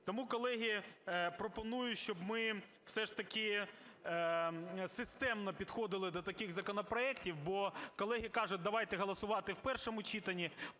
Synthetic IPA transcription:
t̪ɔmukɔlˠɛɦʲipɾɔpɔnujʊʃʲt͡ʃɔbmɪ | w̥sɛʂt̪ɐkɪ | sɪst̪ɛmnɔpʲid̪xɔd̪ɪlˠɪd̪ɔt̪ɐkɪɣzɐkɔnɔpɾɔɛktʲiwbɔkɔlˠɛɦikɑʒʊt̚ʲd̪ɐʋɑjt̪ɛɦɔlˠɐsʊʋɑt̪ɪwpɛrʃɔmʊt͡ʃit̪ɐnʲi

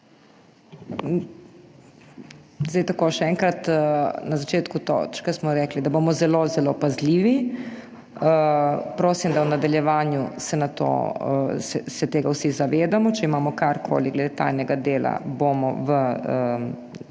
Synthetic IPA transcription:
zd̪ɛjt̪akoːʃɛɛŋkɾat̪nazat͡ʃeːt̪kut̪ɔ̰t͡ʃkasmɔɾɛklid̪aboːmɔzɛlozɛlopazliːʋi | pɾoːsimd̪awnad̪aljɛʋaːnjusɛnat̪o̰ːsɛsɛt̪eːɡawsizaʋeːd̪amɔt͡ʃɛimaːmɔkaɾkʰo̰ːliɡlɛd̪eːt̪a̰jnɛɡad̪eːla̰boːmɔ̰ʋəə

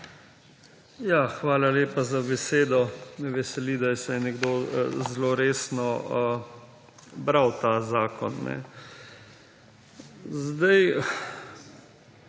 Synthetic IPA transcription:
jaxʋaːlaleːpazabɛseːd̪ɔnɛʋɛsɛlid̪ajɛsɛjnɛɡd̪oːzloɾeːsnɔ | bɾawt̪azaːkɔnːɛ̰ | zd̪aj

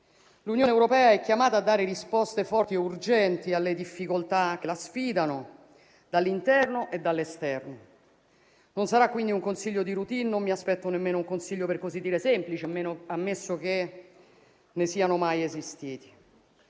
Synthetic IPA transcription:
lunjoːneɛwɾopɛːaɛkːjamaːt̪aːd̪ːaːɾeɾispɔst̪efɔrt̪ieurd͡ʒɛnt̪ialːed̪ifːikolt̪ak̟elasfiːd̪ano | d̪alːint̪ɛrnoʔed̪ːalːest̪ɛrno | nonsaɾakːwind̪iuŋkonsiʎːod̪iɾut̪inːomːiaspɛt̪ːonemːeːnouŋkonsiʎːoperkozid̪ːiːɾesɛmplit͡ʃeameamːesːok̟e | nesiːanomajezist̪iːt̪i̥

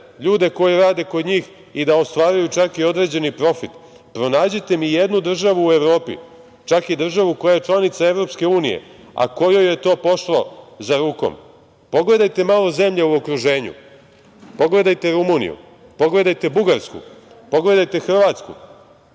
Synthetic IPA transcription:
ʎuːd̪e̞ko̞jiɾaːd̪e̞ko̞d̪ɲiːx | id̪aost̪ʋaːɾujut͡ʃakio̞d̪ɾe̞ːd͡ʑe̞nipɾo̞fit̪ | pɾo̞naːd͡ʑet̪e̞mijed̪nud̪r̩ʒaʋuːevɾo̞ːpḭ | t͡ʃakid̪r̩ʒaʋuko̞jajet͡ʂlˠanit̪sae̞vɾo̞pske̞uːnḭjḛ | a̰ko̞jojjet̪o̞ːpo̞ʃlˠozaɾuːko̰m | po̞ɡle̞d̪ajt̪e̞maːlˠo̞ze̞mʎeuokɾuʒe̞ːɲṵ | po̞ɡle̞d̪ajt̪e̞ɾumunḭjṵ | po̞ɡle̞d̪ajt̪e̞buɡaɾskṵ | po̞ɡle̞d̪ajt̪e̞xr̩ʋaːt̪skṵ

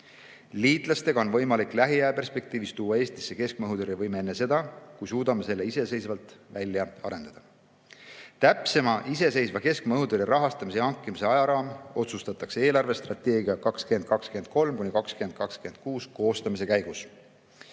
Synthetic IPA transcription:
liːt̪ˑlɑst̪e̞ɡ̥ɑonvɤ̞jmɑlikːˑlæɦiæepe̞rspe̞k̚t̪iːvist̪uːɑe̞ːst̪i̥sːe̞ke̞sk̚mɤɦud̪uɾevɤjmeenːese̞d̪̥ɑkujsuːd̪̥ɑme̞se̞lːe̞ise̞se̞jsvɑlt̪ˑvælʲːjɑɑ̰ɾe̞nd̪̥ɑd̪̥ɑ | t̪æpse̞mɑʔise̞se̞jsvɑke̞skmɤɦud̪uɾeɾɑɦɑst̪ɑmiseɑŋkˑːimise̞ɑjɑɾɑːmo̞t̪sust̪ɑt̪ːˑɑkseeːlɑrve̞st̪rɑt̪ːe̞ːɡiɑkɑkskyend̪̚kɑkskyend̪̥̚ko̞lmkunʲikɑkskyend̪̥̚kɑkskyend̪̥̚kuːsko̞ːst̪ɑmise̞kæjɡ̥us

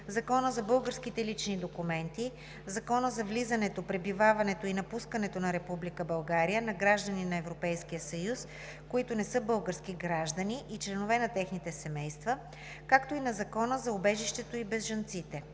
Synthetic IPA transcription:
zɐkɔnəzɐbɤlˠɡəɾskit̪ɛlit͡ʃnid̪okumɛnt̪i | zɐkɔnəzɐvlizənɛt̪opɾɛbivavɐnɛt̪oinɐpuskənɛt̪onɐɾɛpublikəbɐlˠɡaɾijənɐɡɾaʒd̪əninɐɛvɾopɛjskijəsɐjus | koit̪ʊnɛsɤbɤlˠɡəɾskiɡɾaʒd̪əniʔit͡ʃlɛnovɛnɐt̪ɛxnit̪ɛsɛmɛjst̪və | kakt̪oinɐzɐkɔnəzɐobɛʒiʃt̪ɛt̪oibɛzʒɐnt̪sit̪ɛ

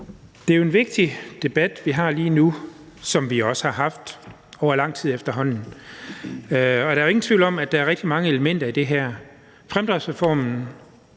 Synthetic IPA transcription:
d̥e̝æjo̝e̝nʋe̝ɡ̥̚d̥id̥e̝b̥æd̥ʋiɦɑ̈liːnu | sɒ̽mʋiɒ̽sə̥hɑ̈ɦɑ̈fd̥ | ɒʊ̰ɐlɑ̈ŋ̰t͡sʰiðˠefd̥ɐɦɒ̽n̰n̩ | ɒ̽d̥ɑ̈ɐe̝ŋn̩t͡sʰʋ̥ḭl̩nɒ̽mæ̥ɑ̈æɐʁɛɡ̥̚d̥imɑ̈ŋəe̝ləmen̰d̥ɐid̥e̝ɦæɐ̰ | fʁamd̥ʁisʁɛfɒ̰ːmn̩

